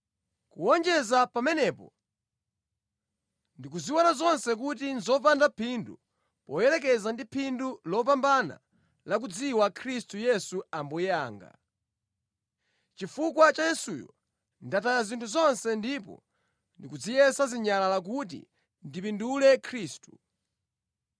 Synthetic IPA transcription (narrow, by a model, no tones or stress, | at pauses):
kuɔnd͡ʒɛzapamɛnɛpɔ̰ | ndik̬uziwɔnazɔnsɛk̬utinzɔpandapʰindu | pɔjɛlɛk̬ɛzandipʰindulɔp̬ambana̰ | lak̬ud͡ziwakʰɾistujɛsuambɔjaːŋɡa̰ | t͡ʃifukwat͡ʃajɛsṵjɔ̰ | ndatajazintʰuzɔnsɛndipɔ̰ | ndikud͡zijɛsaziɲalalak̬ut̬ḭ | ndipindulɛkʰɾiːstu̥